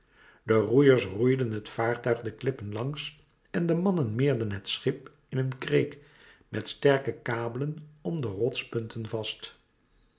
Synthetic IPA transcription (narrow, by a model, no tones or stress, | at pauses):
dərujəɹsrujdənɦətfaːɹtœɥχdəklɪpənlɑŋs | ɛndəmɑnənmɪːɹdənɦətsχɪp | ɪnənkrejk | mɛtstɛɹkəkaːbələnɔmdərɔtspɵntʰənvɑst